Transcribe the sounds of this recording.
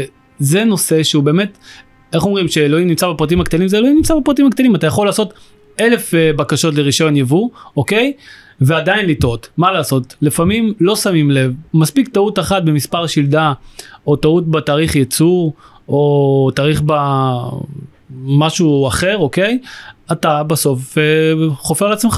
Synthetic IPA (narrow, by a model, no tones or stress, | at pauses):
ze̞no̞se̞ʃeube̞ːme̞t | eχomʁimʃeːlo̞imnimt͡sabepʁat̪̬imakt̪alimzeloimnimt͡sabepʁat̪̬imakt̪alimatajaχo̞laːso̞t | ele̞fbakaʃo̞tleʁiʃonjavuoke̞j | veadainlit̪o̞tmalaːso̞tlifamimlo̞samimle̞vmaspiktautaχat̚bemispaʁʃild̪ao̞tautbetaːʁiχjet͡suʁ | o̞t̪aːʁiχba | maʃuaχe̞ʁo̞ke̞jat̪abaso̞feχo̞feʁleat͡smeχ